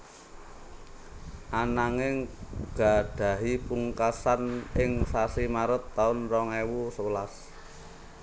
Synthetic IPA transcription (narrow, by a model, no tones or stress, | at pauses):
ʔanaŋɪŋɡ̥a̤ɖ̪̥a̤ɦipuŋkasanɪŋsasimaɾʊt̪ːaʊnrɔŋewusəwəlas